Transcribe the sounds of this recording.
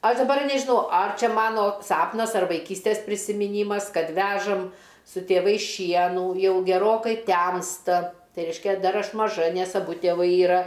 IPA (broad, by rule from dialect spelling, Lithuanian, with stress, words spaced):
ˈɐʃ dɐˈbɐr nʲɛʒʲɪˈnɐʊ ɐr ˈt͡ʃʲɛ ˈmɑːnoː ˈsɑːpnɐs ɐr ʋɐɪˈkʲiːsʲtʲeːs pʲrʲɪsʲɪmʲɪˈnʲiːmɐs ˈkɐt ˈʋʲæːʒɐm sʊ tʲeːˈʋɐɪs ˈʃʲiɛnuː ˈjɛʊ ɡʲɛˈroːkɐɪ ˈtʲɛmstɐ ˈtɐɪ ˈrʲɛɪʃʲkʲɛ ˈdɐr ˈɐʃ mɐˈʒɐ ˈnʲɛs ɐˈbʊ tʲeːˈʋɐɪ iːˈrɐ